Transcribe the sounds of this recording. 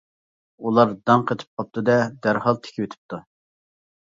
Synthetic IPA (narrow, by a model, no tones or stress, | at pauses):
ulˠɑɾd̪ɑŋqʰət̪ʰɪ̥p̚qʰɑp̚t̪ʰɨd̪ɛd̪æɾhɑlˠt̪ʰe̥kʲʰɪwet̪ʰɪ̥p̚t̪ʰu